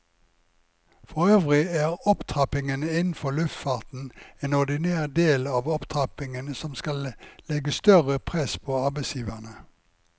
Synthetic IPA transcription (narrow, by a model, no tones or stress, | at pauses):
fɔʁøːʋʁɪæːʁɔpt̪ʰʁɑpɪŋənəɪnn̩fɔlʉft̪fɑːʁt̪n̩eːnɔʁd̪ɪneːʁd̪eːlɑːʋɔpt̪ʰʁɑpɪŋənəsɔmskɑllɛɡəst̪œʁəpʰʁɛspʰoːɑʁbeɪsjiːʋæʁnə